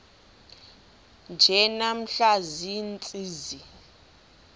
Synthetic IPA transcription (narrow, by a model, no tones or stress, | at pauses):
nd͡ʒʱɛnam̩ɬazint͡sʼiːzi